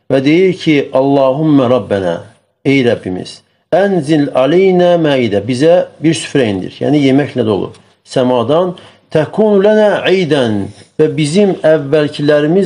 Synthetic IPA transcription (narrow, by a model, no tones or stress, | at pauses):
væd̪e̞jiɾcʰiʔɑlˠːɑːɦumːæɾˤɑbːænæ̰ː | ejɾæbːimḭz̥ | ænzilʕalejnæːmæːid̪æbizæbiɾsy̥fɾæind̪ḭɾjæ̰ːnije̞mæçnæd̪o̞̰lˠṵb | sæmɑːd̪ɑn | t̪ʰækʰuːnlænæːʕejd̪ænvæbizimævːælcʰilæɾimiz